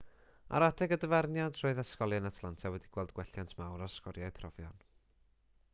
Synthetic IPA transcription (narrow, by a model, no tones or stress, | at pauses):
a̰ɾadɛɡədəvarnjadroɨðaskɔlˠjənatʰlˠantʰawɛdiɡ̥wɛlˠdɡ̥wɛɬjantʰmawɾarskɔɾjaɨpʰrɔvjɔ̰n